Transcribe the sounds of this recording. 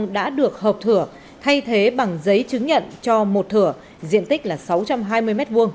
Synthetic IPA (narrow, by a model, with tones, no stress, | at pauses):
ŋɗa̰ː˧˥ɗɨ˨˩ək̚həː˨˩p̚t̪ʰɨ˧˩ə | t̪ʰa˧jt̪ʰe˨˦ɓa˨˩ŋzə˨˦jt͡ɕɨ˨˦ŋɲə̰˧˨nt͡ɕɔ˧mo˨˩t̚t̪ʰɨ˧˩ə | zḭ˧˨ənt̪ï˦˥k̟̚laː˨˩sa˨˦wt͡ɕa˧mɦaː˧jmɨ˧əjmɛ˦˥t̚vu˧ən